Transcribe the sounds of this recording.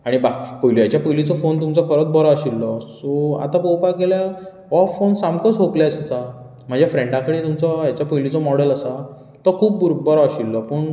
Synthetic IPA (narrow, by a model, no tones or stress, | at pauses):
aɽ̃ibapəjljat͡ɕjapəjlit͡sɔfont̪umt͡sɔkʰəɾət͡s̪̚bɔɾɔaɕilːɔsoa̰t̪ãpowpaɡelja | ɔfonsamkəsɦopljasəsa | m̤əd͡ʑjafɾẽɳʈãkəɽet̪umt͡sɔjat͡ɕapəjlit͡sɔmɔɽələsa | t̪əkʰuːp̚buɾbɔɾɔaɕilːɔpəɳ